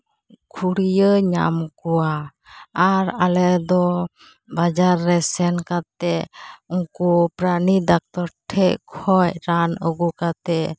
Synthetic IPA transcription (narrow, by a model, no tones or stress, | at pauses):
kʰuɽijəɲa̰mkuwaː | ɾalɛd̪ɔ | bad͡ʒaɾːɛsɛnkat̪ɛʔuŋkupɾanid̪ak̚t̪ɔɾʈʰɛʔkʰɔjɾanəɡukat̪ɛʔ